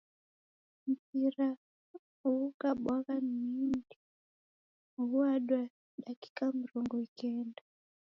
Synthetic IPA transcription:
m̩piɾa | uukaɓwakammindi | uaɗwa | ɗaki̥kam̩ɾɔŋɡɔikɛnda

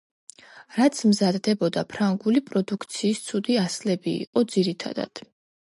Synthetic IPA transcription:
ɾat̪sʰmzad̪d̪ɛbɔd̪apʰɾaŋɡulipʼɾɔd̪ukʰt̪sʰiːst̪sʰud̪iaslɛbḭːqʼɔd̪ziɾit̪ʰa̰d̪a̰d̪̥

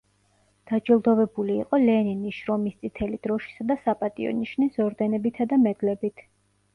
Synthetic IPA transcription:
d̪̥ad͡ʒɛlˠd̪ɔvɛbulḭːqʼɔlɛniniʃɾɔmist̪sʼit̪ʰɛlid̪̥ɾɔʃi̥sad̪asapʼat̪ʼḭɔ̰niʃnisɔɾd̪ɛnɛbit̪ʰad̪amɛd̪lɛbit̪ʰ

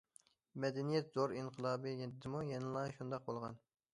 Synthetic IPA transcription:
mɛd̪ɛnijɛt̪zoɾinqʰəlˠɑːbɨjɛd̪ɪmujɛnɨlˠɑʃund̪ɑq̚bolˠʁɑn

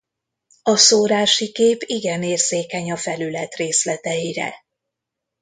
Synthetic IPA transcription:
ɒsoːɾaːʃikeːpiɡɛneːrz̥eːkɛɲɒfɛlylɛt̪reːslɛt̪ɛjiɾɛ̰

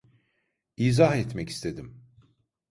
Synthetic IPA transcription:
iːzaɦɛt̪mɛci̥st̪ʰed̪im

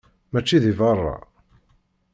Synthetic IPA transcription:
mæt͡ʃːiðivɑrˤːɑ̰

